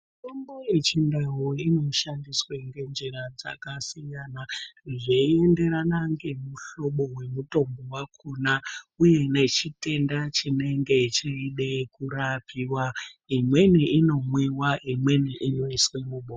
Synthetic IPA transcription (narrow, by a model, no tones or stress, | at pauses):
tomboje̞t͡ʃindaɦoino̞ʃandisweŋɡe̞nd͡ʒeɾad͡za̰kasijanaʐeie̞nde̞ɾanaŋɡe̞muɬo̞ɓo̞we̞muto̞mbowakʰunauje̞ne̞t͡ʃite̞ndat͡ʃine̞ŋɡe̞it͡ʃiiɗe̞kuɾapiwaimwe̞niino̞mwiwaʔimwe̞niʔinoiswemuɓo